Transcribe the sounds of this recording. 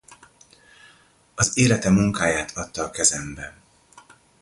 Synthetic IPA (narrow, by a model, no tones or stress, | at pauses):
ɒzeːlɛt̪ɛmuŋkaːjaːt̪ʰɒt̪ːɒːkɛzɛmbɛ